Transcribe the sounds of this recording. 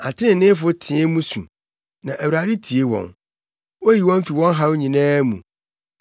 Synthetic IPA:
a˨tʰɪ˦nɪ̃˨nɪ̃˦fʊ˦tʰɪ̃˨˦ɛ˦mũ˦sṵ̃˨ | nã˨ʔæ˨wu˨ɾa˨dɪ˦tʰi˨e˦wɔ̰̃˨n | wo˦ji˨wɔ̃˦m̩˦fi˨wɔ̃˦n˦ɦa˦ɲĩ˨nɛ̃ː˦mṵ̃˨

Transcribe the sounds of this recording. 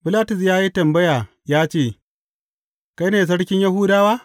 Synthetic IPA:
bɪ˦laː˦tʊ˨s̬jaː˦ji˦tɐ˨mbɐ˦jaː˨ | jaː˦t͡ʃeː˦˨ | ka˦jneː˨s̬ɐ˦ɽkʲɪ˦ɲjɐ˦ɦuː˦daː˦waː˦

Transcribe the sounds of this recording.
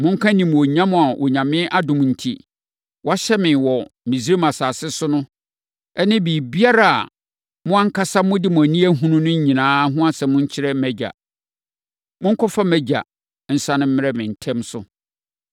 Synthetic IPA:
mʊ̃˦ŋ̩˦kʰã˦nĩ˨m˨o˨ɲã˦mʊ̃˨a˨ʔo˨ɲã˨mɪ̃˦ʔa˦dʊ̃˨m˨n̩˨tʰḭ˨ | wɔ˦a˦ɕɛ˦mɪ̃˨nwɔ˨mĩ˨si˦ɾe˦mã˨saː˨sɪ˦sʊ˦nʊ̃˦ | ɛ˦nɪ̃˦biː˨bi˦a˦ɾa˨a̰˨ | mʊ̃˦ã˦ŋ̩˦kʰa˦sa˦mʊ̃˦dɪ˦mʊ̃˨æ˨nĩ˦æ˦ɦũ˦nʊ̃˦nʊ̃˦ɲ̩˦ɲĩ˨nãː˦ɦʊ̃˦a˦sɛ˨mʊ̃˦ɲ̩˦t͡ɕʰɪ˦ɾɛ˦m̩˦mæ˦d͡ʑa̰˨ | mʊ̃˦ŋ̩˦kʰɔ˦fa˦mæ˦d͡ʑa̰˨ | n̩˦sã˦nʊ̃˦m̩˦mɪ̃˦ɾɛ˦mɪ̃˨n̩˨tʰɛ̃˦msʊ˦

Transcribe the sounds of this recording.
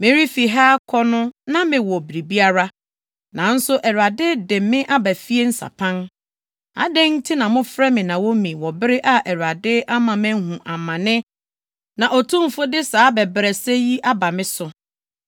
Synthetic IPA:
mɪ̃˦ɾi˦fi˨ɦaː˦kʰɔ˦nʊ̃˦nã˦mɪ̃˨wɔ˨bi˨ɾi˨bi˦a˦ɾa˦ | nã˨n̩˦sʊ˦ʔɛ˨ɾa˨dɪ˦dɪ̃˨mːɪ̃˦ʔa˦bæ˨fi˦e˦n̩˦sa̰˨pʰã˦n | a̰˨dɪ̃˦n˦tʰɪ˦nã˨mʊ̃˦fɾɛ˦mɪ̃˨nã˨wɔ˦mĩ˨wɔ˨bɪ˦ɾɪ˦ʔa˦ʔɛ˨ɾa˨dɪ˦ʔa˦mã˨mæ̃˦hũ˨ʔa˨mã˨nɪ̃˦ | nã˨ʔɔ˨tʰũ˦m̩˨fʊ˦dɪ˦saː˨˦bɛ˨bɾɛ˨sɛ˦ji˦ʔa˦ba˨mɪ̃˦sʊ˨

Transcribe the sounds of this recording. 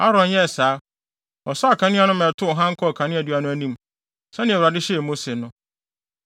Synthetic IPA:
a˦ɾɔ̃˨njɛ˦˨saː˨˦ | ɔ˨sɔ˦a˨kʰã˨nɪ̃˦a˦nʊ̃˦mɛ̃˨tʰʊ˦ɔ˨ɦã˦ŋ̩˦kʰɔ˦˨kʰã˨nɪ̃˦æ˨du˦a˦nʊ̃˦æ˦nĩ˦m | sɛ˦nɪ̃˨ɛ˨wɾa˨dɪ˦ɕɛ˦˨mo˦se˨nʊ̃˦

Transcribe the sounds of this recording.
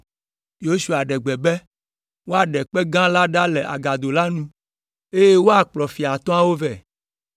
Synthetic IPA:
jo˦su˨a˨ɖɛ˨ɡ͡bɛ˨bɛ˦ | wo˦a˨ɖɛ˨k͡pɛ˦ɡã˦la˦ɖa˦lɛ˨ʔa̰˨ɡa˨d̪o˨la˦nũ˦ | e˦je˦wo˦a˨k͡plɔ˨fi˨a˨t̪ɔ̃˦a˦wo˦vɛ˦˨

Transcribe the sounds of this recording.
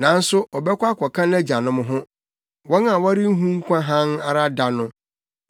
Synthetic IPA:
nã˨˦n̩˦sʊ˦ʔɔ˨bɛ˦kʷa˦kʰɔ˨kʰã˦nɛ˦d͡ʑa˨nʊ̃˦mʊ̃˦ɦʊ̃˦ | wɔ̃˦nã˨wɔ˦ɾɪ˦n̩˦ɦũ˦ŋ̩˦kʷʰã˦ɦã˦na˨ɾa˦da˨nʊ̃˦

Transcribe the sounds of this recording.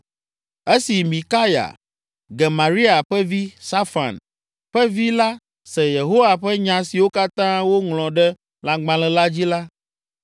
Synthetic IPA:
ɛ˦si˨mĩ˨ka˦ja̰˨ | ɡɛ˨mã˨ɾi˦a˨ɸɛ˦vi˦sa˦fa̰˨n | ɸɛ˦vi˦la˦ | sɛ˨je˨ɦo˦wa˨ɸɛ˦ɲã˨si˨wo˦ka˦t̪ã˦wo˦ŋlɔ̃˨ɖɛ˦ | la˨ɡ͡bã˨lɛ˨la˦d͡ʑi˦la˦

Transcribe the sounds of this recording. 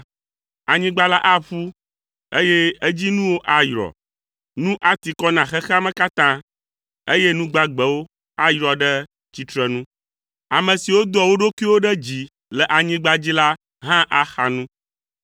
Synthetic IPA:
a˨ɲĩ˦ɡ͡ba˦la˦ʔa˦ɸu˦ | e˦je˦e˦d͡ʑi˦nũ˦wo˦ʔa˦jɾɔ̰˨ | nũ˦ʔa˦t̪i˨kɔ˦nã˨xɛ˦xɛ˦a˦mɛ̃˦ka˦t̪ã˦ | e˦je˦nũ˦ɡ͡ba˦ɡ͡bɛ˨wo˦ | a˦jɾɔ˨ɖɛ˦ | t͡ɕi˦t̪ɾɛ˦nũ˦ | a˨mɛ̃˨si˨wo˦d̪ɔ˨wo˦ɖo˦kwi˦wo˦ɖɛ˦d͡ʑi˨ | lɛ˨ʔa˨ɲĩ˦ɡ͡ba˦d͡ʑi˦la˦ | ɦã˦ʔa˦xa˨nũ˦

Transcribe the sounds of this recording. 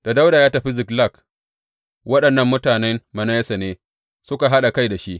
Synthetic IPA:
d̥a˨da˦wdaː˨jaː˦tɐ˨ɸi˦zɪ˨kla˦˨k | wɐ˦ɗɐ˨nːɐ˦mːʊ˦taː˨nɛ˦mmɐ˨na˦jɛ˦sɐ˨neː˦ | sʊ˦ka˨ɦa˦ɗa˨ka˦jda˨ʃi˦ʔ

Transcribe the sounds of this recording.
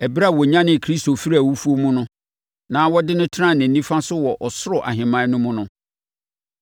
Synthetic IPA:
ɛ˨bɾa˦˨wɔ˨ɲã˦nɪ̃˨kʰɾi˦sto˨fi˦ɾi˦a˨wu˦fu˦o˦mũ˦nʊ̃˦ | nãː˨˦wɔ˦dɪ˦nʊ̃˦tʰɪ˦ɾã˦˨nɪ̃˨nĩ˦fã˦sʊ˦wɔ˨ʔɔ˨sʊ˦ɾɔ˨ʔa̰˨ɦɪ̃˨mã˦nʊ̃˦mʊ̃˦nʊ̃˦

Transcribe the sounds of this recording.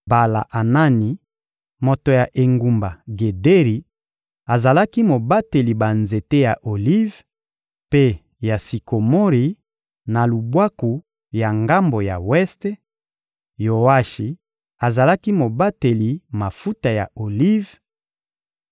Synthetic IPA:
ba˨la̰˨ʔa˨na˦ni˨ | mo˨to˨ja˨ʔe˨ŋɡu˨mba˨ɡe˨de˦ʁi˨˦ | a˨za˨la˦ki˦mo˨ba˦te˨li˨ba˨nze˨te˦ja˨ʔo˨li˦v | pe˦ | ja˨si˨ko˨mo˦ʁi˨ | na˨lu˨bwa˦ku˨ | ja˨ŋɡa˦mbo˨ja̰˨wɛ˦ste˦ | jo˨wa˦ʃi˨ | a˨za˨la˦ki˦mo˨ba˦te˨li˨ma˨fu˦ta˨ja̰˨o˨li˦v

